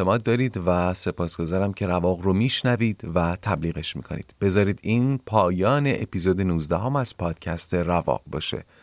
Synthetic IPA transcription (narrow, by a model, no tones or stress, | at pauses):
t̪emɒːd̪̚ːɒːɾiːd̪væse̞pʰɒːsɡ̥o̞zɒːɾæmcʰe̞ɾævɒːɣromiːʃnæviːd̪̥væt̪ʰæbliːɣe̞ʃmḭːkʰo̞̰nḭːd̪̥b̥e̞zɒːɾiːd̪iːnpʰɒːjɒːne̞ʔepiːzoːd̪e̞nuːzd̪æɦomæz̥pʰɒːd̪̥cʰæst̪ʰe̞rævɒ̰ːqbɒ̰ːʃe̞̰